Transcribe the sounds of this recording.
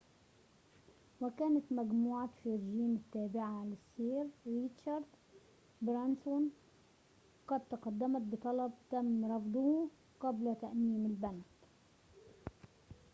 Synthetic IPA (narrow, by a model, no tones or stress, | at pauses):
wɪkaːnat̪maɡmuːʕafiɾɪʒiːmɪt̪ːaːbɪʕalɪsːiːɾɾit̪ʃɑɾd̪ | bɾansʊn | qɑd̪̚t̪ɑqɑd̪ːamat̪̚bɨt̪ˤɑlɑb̚t̪amːɾˤɑfd̪ˤʊ | qablat̪aʔniːmɪlbanad̪